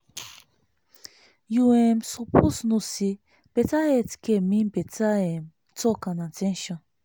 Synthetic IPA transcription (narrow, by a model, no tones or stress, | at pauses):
juɛ̃msɔpʰosnusi | b̥ɛtaɛtkemĩnbɛtaɛ̃m | tɔkãnãtʰɛ̃nʃɔ̃n